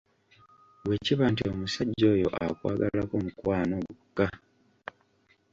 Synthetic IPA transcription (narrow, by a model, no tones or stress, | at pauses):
we̞ːciβaːntio̞musaɟːo̞ːjo̞̰ʔakwaːɡalako̞mukwaːno̞ɡukːa